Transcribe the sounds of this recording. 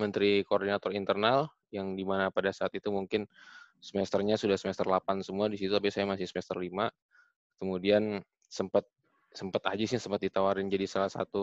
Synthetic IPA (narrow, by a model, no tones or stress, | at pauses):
mənt̪ɾikoːrdinat̪ɔrint̪ərnal | jaŋdimanapadasaːt̪it̪umuŋkɪn | səmɛst̪ərɲasudahsəmɛst̪ərlapansəmuadisit̪uapisajamasɪhsəmɛst̪ərlima | kəmudian | səmpat̪̚ | səmpət̪ad͡ʒɪsjaŋsəmpat̪̚dit̪awaɾɪnd͡ʒadisalahsa̰t̪u